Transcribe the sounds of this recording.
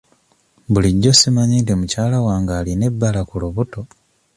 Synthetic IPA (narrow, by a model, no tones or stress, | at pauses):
buliɟːo̞simaɲiːntemucaːlawaːŋɡaːline̞bːalakuluβuto̞